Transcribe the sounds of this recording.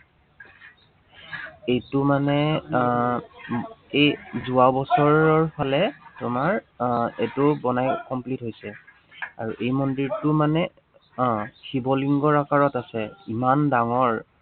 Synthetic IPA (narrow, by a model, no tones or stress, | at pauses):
ejtʊmanɛ | ejzuawbɔsɔɹɔɹpʰalɛtʊmaɹ | etʊbɔnajkɔmplitɦojsɛ | a̰ɹuʔejmɔndiɹtʊmanɛ | kʰibɔliŋɡɔɹakaɹɔtasɛimandaŋɔɹ